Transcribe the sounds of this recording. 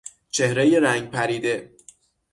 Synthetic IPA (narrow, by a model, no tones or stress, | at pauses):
t͡ʃʰe̞hɾejeɾæŋɡ̚pʰæɾiːd̪e̞